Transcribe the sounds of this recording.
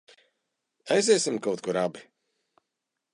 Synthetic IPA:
ajzɛːsimkawt̪kuɾabi

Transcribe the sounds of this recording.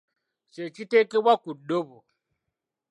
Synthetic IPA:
ʃet͡ʃitekewakudobu

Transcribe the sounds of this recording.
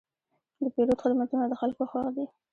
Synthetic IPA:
d̪əpeɾod̪xəd̪mat̪unad̪əxalkoxɑɾd̪i

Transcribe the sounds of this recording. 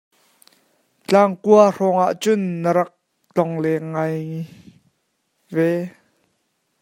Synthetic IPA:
t͡ɬaːŋkuarɔːŋʔaʔt͡sʊnːəɾɐk̚ | t͡ɬɔŋlɛŋɐj | vɛ

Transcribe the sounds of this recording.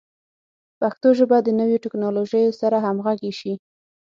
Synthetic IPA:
paxt̪oʒəbad̪ːənəweʈɪknɑloʒəjsaɾaɦamɣaɡeʃi

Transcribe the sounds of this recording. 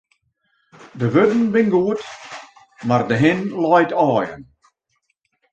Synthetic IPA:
dəʋødn̩bɪnɡoət | mardəɦɪnlɑjtɑːjə̰n

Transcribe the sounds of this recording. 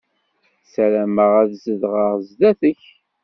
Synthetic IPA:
sælæməʁæðzəðʁəʁzðæθəç

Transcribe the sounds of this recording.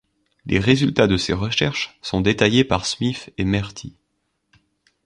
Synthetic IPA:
lʔeʁezylt̪ad̪əseʁəʃɛʁʃsɔ̃d̪et̪ajepaʁsmifemɛʁt̪ʰi

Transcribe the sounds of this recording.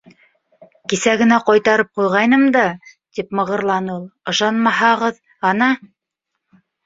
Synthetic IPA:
kisæɡɘ̆næqɑjt̪ɑɾɤp̚qujʁɑjnɤmd̪ɑt̪ipmɤ̆ʁɤ̆ɾlˠɑnulˠɤ̆ʃɑnmɑɦɑʁɤð | ɑnɑ

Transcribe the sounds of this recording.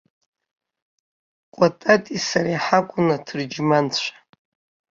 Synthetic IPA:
qʷʼatʼatʼisaɾiħakʷʼʊnatʰɨrd͡ʒmant͡ɕʷʰḁ

